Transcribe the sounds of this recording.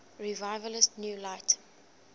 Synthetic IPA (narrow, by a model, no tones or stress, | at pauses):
ɹivaɪvələstnjuːlaɪt